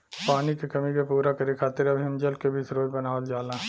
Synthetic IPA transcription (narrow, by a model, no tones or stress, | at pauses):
paːnikekɐmikepuːɾakɐɾekʰaːt̪ɪɾɐbʱiɐmd͡ʒəlkebʱisɾoːd͡ʒbɐnaːʋəld͡ʒaːlãː